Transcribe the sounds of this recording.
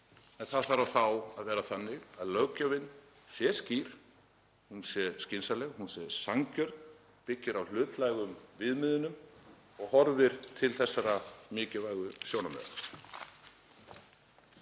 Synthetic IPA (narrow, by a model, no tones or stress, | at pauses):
ɛnθaðθaɾawθawaðvɛːɾaθanːɪɣaðlœɣcavɪnː | sjɛsciɾ̥ | hunsjɛscɪnsalɛɣhunsjɛsaŋcœɾt̪ | pɪcːɪɾawl̥ʏːt̪lajɣʏmvɪðmɪðʏnːʏm | ɔɣhɔɾvɪɾ̥t̪ʰɪlθɛsːaɾamɪːcɪvajɣʏsjownamɛ̰a